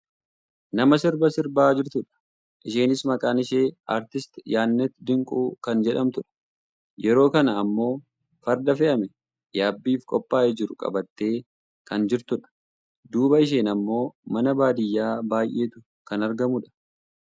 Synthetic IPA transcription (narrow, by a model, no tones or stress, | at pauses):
nɐmɐsɪɾbɐsɪɾbaːd͡ʒɪɾt̪ʊᶑɐ̥ | ʔɪʃeːnɪsmɐkʼaːnɪʃe̞ːʔaːɾt̪ɪst̪jaːnːɛt̪ːd̪ɪŋkʼuːkɐnd͡ʒɛᶑɐmt̪ʊᶑɐ̥ | jɛɾo̞ːkɐnɐːmːo̞ː | fɐɾd̪ɐfɛʔɐmɛ | jaːbːiːfkʼɔpʼːaːʔɛd͡ʒɪɾʊkʼɐ̰bɐt̪ːe̞ː | kɐnd͡ʒɪɾt̪ʊᶑɐ̥ | d̪uːbɐɪʃ̬eːnɐmːo̞ːmɐnɐbaːd̪ɪjːaːbaːjʔe̞ːt̪ʊ | kɐnɐɾɡɐmʊᶑɐ̥